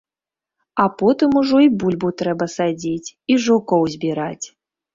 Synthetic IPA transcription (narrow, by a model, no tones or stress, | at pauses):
apɔt̪ɨmuʐɔibulʲbut̪ɾɛbɐsad͡zʲit͡sʲiʐukɔwzʲbʲiɾat͡sʲ